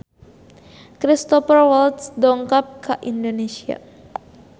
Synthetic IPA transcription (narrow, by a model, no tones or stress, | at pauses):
kɾist̪ɔfərwalt̪sdɔŋkap̚kaʔindonesia̰